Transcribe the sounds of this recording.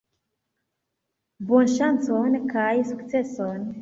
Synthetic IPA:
bonʃant͡sonkajsukt͡se̞son

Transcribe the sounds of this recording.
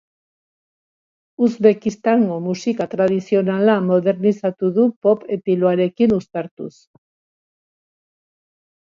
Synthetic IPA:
uzβe̞kist̪aŋɡo̞musikat̪ɾað̞isio̞nalamo̞ðe̞ɾnisat̪uðupo̞pet̪iloaɾe̞kinust̪aɾt̪ṵs

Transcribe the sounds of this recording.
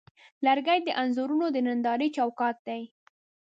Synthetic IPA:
laɾɡajd̪əʔanzuɾunod̪ənand̪ɑɾət͡ʃawkɑt̪̚d̪aj

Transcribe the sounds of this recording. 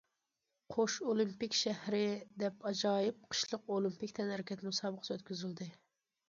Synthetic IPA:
qʰoʃolˠimpikʲʃɛhɾɪd̪ɛpɑd͡ʒɑːjip̚qʰə̥ʃlˠəqolˠimpikʲt̪ʰɛnhæɾɪkʲɛt̪musɑːbəqʰə̥søt̪̚kʲyzyld̪ɪ

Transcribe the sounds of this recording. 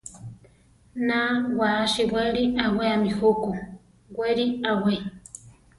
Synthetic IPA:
nawaːʃiwʷeɾiʔaweamihuku | weɾiawe

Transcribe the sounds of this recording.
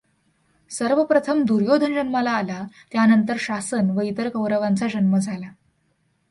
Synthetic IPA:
səɾʋəpɾət̪ʰəmd̪uɾjod̪ʱənd͡ʑənmalaːlat̪janənt̪əɾɕasənʋəit̪əɾkəwɾəʋant͡sad͡ʑənməd͡zʱala

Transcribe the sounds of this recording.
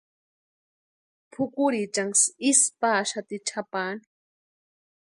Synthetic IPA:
pʰʊkʊɾit͡ʃaŋsispaːʃat̪it͡ʃʰapaːni̥

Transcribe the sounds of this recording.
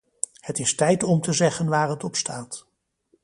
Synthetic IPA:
hətɪstɛjtɔmtəzɛχənʋaːrɦətɔpstaːt

